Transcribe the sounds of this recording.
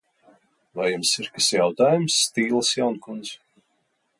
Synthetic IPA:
vajumsiɾkasjawt̪aːjumsːt̪iːlˠəsjawnkund̪z

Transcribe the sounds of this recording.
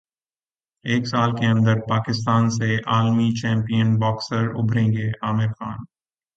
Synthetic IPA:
eːksaːlkeɐ̃nd̪əɾpaːkɪst̪aːnseaːlmit͡ʃɛ̃ːmpijənbɔːksəɾʊ̰bʱɾẽːŋɡeʔaːmɪɾxaːn

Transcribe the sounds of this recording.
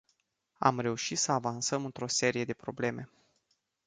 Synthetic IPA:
a̰mɾe̞uʃit̪səavansəmɨnt̪ɾo̞se̞ɾije̞d̪e̞pɾo̞ble̞me̞

